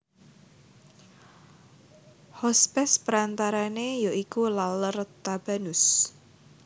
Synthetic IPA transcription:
hɔspɛspəɾant̪aɾanejoʔikulalərt̪ab̥a̤nʊs

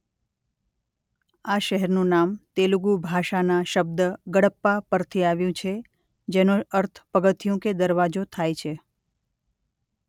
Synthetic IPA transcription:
aʃəɦɛɾnũnamt̪eluɡubʱaʃanaʃəb̚d̪əɡəɽəpːapəɾt̪ʰiaʋjũt͡ʃʰe | d͡ʒenũəɾt̪ʰə̥pəɡət̪ʰijũked̪əɾʋad͡ʒot̪ʰajt͡ʃʰe

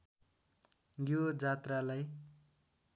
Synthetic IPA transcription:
ɡjod͡zat̪ralaj

